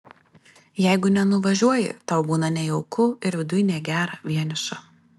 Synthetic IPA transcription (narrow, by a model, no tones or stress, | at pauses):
jɛɪɡʊnʲɛnʊʋɐʒʲuɔjɪ̰t̪ɐʊbuːnɐnʲɛjɔʊkʊɪɾʋʲɪd̪ʊjɪnʲeːɡʲæːɾɐʋʲiɛnʲɪʃɐ